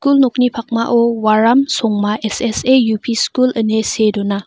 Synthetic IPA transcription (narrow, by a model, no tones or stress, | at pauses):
skulnok̚nipʰak̚maʔɔwaɾamsɔŋmaʔesesejupʰiskulɯnesedɔna